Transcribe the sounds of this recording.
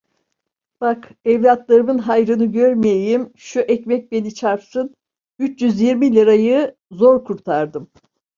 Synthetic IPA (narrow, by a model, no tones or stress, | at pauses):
b̥akɛvlʲat̪lˠaɾɯmɯnɦajɾɯnɯɟøɾmijejimʃuʔɛcmɛc̚be̞nit͡ʃʰaɾpsɯn | yt͡ʃjyzjiɾmilʲiɾajɯ | zo̞ɾkʰuɾt̪ʰaɾd̪ɯm